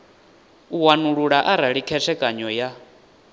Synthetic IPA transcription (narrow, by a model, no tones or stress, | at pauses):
uwanuɺuɺaʔaɾaɺikʰɛʂɛkʼaɲɔja